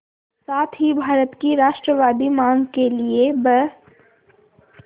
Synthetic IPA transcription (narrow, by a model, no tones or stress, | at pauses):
saːt̪ʰɦibʱaːɾət̪kiɾaːʃʈɾəʋaːd̪imãːŋɡkeliebə